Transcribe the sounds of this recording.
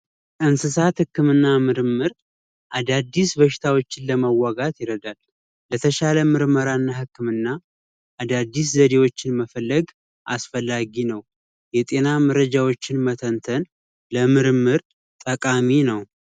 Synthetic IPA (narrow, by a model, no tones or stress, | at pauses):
ɨnsɨsat̪hɨkːɨmɨnːamɨɾɨmːɨɾ | ʔad̪ad̪ːisbəʃɪ̥t̪ʰawo̞t͡ʃːɪnləməwːaɡat̪jɪɾəd̪alː | ət̪ʰəʃaləmɨɾməɾanːahɨkːɨmɨnːa | ʔad̪ad̪ːis̬zəd̪e̞wo̞t͡ʃːɪnməfəlːəɡ | ʔa̰sfəlːaɡinəw | jɛt̪ʼe̞naməɾəd͡ʒawo̞t͡ʃːɪnmət̪ʰənt̪ʰən | ləmɨɾmːɨɾ | t̪ʼəkʼaminəw